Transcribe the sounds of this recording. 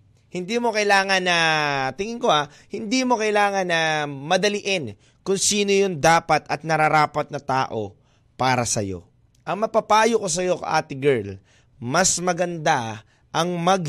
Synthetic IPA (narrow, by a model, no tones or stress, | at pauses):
hɪnd̪iːmo̞kɐɪlaːŋɐnɐt̪ɪŋɪŋko̞a | hɪnd̪imo̞kɐʔɪlaːŋɐnːɐmɐd̪ɐlɪʔɛn | kʊŋsiːnojʊnd̪aːpɐt̪ɐt̪̚nɐɾaɾaːpɐt̪̚nɐt̪aːʔo̞̰ | paːɾɐsɐ̰jo̞̰ | ʔɐŋmɐpɐpaːjoko̞s̬ɐjo̞kɐ̰ʔa̰ːt̪ɪɡɛɹl | mɐsmɐɡɐnd̪a | ʔɐŋmɐɡ̚